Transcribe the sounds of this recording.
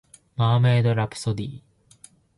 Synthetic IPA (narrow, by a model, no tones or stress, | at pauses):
maːmeːd̪oɾapɯ̥sod̪iː